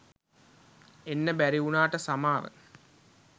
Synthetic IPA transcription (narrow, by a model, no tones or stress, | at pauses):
enːəbæɾiunaːʈəsamaːʋə̰